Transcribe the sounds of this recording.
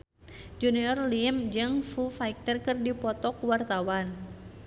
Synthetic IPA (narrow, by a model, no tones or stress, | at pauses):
d͡ʒuniɔrlimd͡ʒɨŋfufak̚t̪ərkɨrdipɔt̪ɔkwart̪awan